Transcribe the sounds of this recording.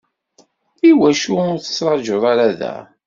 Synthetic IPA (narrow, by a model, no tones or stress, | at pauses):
iwæʃuʊɾθə̥t͡sːɾˤɑʒoðˤaɾaðæ̰